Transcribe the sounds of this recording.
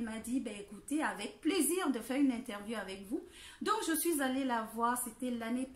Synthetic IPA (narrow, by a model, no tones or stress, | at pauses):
mad̪ibɛekut̪eavɛk̚pleziʁd̪əfɛʁynɛ̃t̪ɛʁvjuavɛkvu | d̪ɔ̃kʒəsɥizalelavwaʁset̪ɛlanep